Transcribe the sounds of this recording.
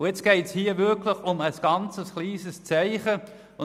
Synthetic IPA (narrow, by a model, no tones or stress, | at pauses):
ʊjɛt͡sɡ̥ɛɪtshiːəvʏɾklɪχʊməsɡ̥ɑnt͡səsχliːzəst͡sæɪχə | ʊ